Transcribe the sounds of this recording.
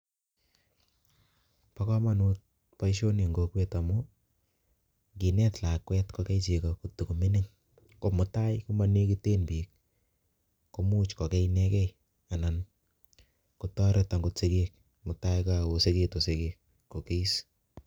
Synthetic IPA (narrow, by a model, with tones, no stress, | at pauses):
pa˦kɔ˦ma˦nu˦t̚ | pa˦iʃo˦ne˨ŋɡo˨˧kwe˦ta˨mʊ˦ | ŋɡi˨nɛ˦tla˨kwɛ˦tkɔ˧kɛ˦t͡ʃe˨kɔ˨ku˨tu˨ku˨mɪ˦nɪ˦ŋ | ko˦mʊ˨ta˦jku˦ma˦ne˦ki˦te˦npi˨k̚ | ko˦mu˦t͡ʃkɔ˨kɛ˦inɛ˦kɛ˦ | a˨na˨n | ku˨tɔ˦ɾeta˨ŋɡʊ˧tse˨ke˦k̚ | mʊ˨ta˦jkao˨se˦ke˦to˨se˨ke˧k̚ | ko˨ke˦i˦s